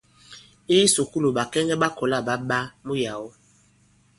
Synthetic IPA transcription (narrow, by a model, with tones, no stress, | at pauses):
i˦su˨ku˦lo˨ɓa˨kɛ˦ŋɛ˦ɓa˦kɔ˨la˦˨ɓa˦ɓa˦mu˦ja˨wo˦